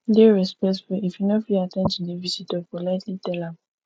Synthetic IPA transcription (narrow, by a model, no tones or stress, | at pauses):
diɹɛspɛsfɛifjunofiatɛ̃nd͡ʒĩndevisitɔkɔlatlitɛlãm